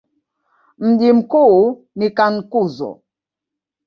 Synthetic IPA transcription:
m̩ɗim̩ku | nikaŋ̩kuzɔ̰

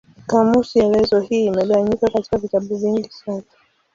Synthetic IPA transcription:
kamusiɛlɛzɔhiːmɛlɛwaɲikakati̥kavitaɓuviŋɡisana

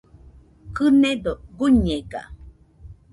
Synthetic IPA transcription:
kɨned̪oɡuɲeɡa̰

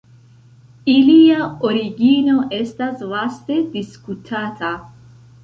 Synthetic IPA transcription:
iliaoɾiɡino̞ʔe̞staslaste̞diskutʰatʰa

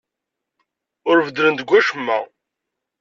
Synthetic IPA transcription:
ʊɾvəd̪ɾənd̪əɡʷːæʃəmːæ̰

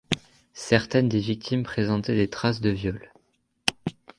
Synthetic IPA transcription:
sɛʁt̪ɛnd̪evik̚t̪ʰimpχezɑ̃t̪ɛd̪et̪χasd̪əvjɔl

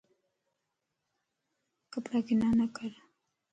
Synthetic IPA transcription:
kapɾakinanakaɾ

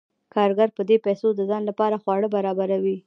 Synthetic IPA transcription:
kɑɾɡaɾpəd̪epajsod̪əzɑnlapɑɾaxwɑɽəbaɾɑbaɾawi

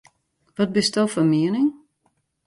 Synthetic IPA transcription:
ʋɔt̚bɪstdowfɔnmiənɪŋ

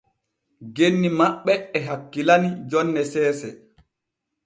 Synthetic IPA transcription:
ɡenːimaɓːɛɛɦakːilanid͡ʒɔnːɛsɛːsɛ

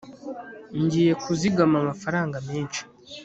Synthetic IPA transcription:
ɲɟiːje̞kuziɡamamafaɾaːŋɡameːnʃi̥

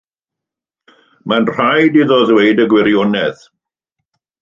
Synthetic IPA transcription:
manr̥ajdiðɔðweɨdəɡwɪɾjɔnɛð

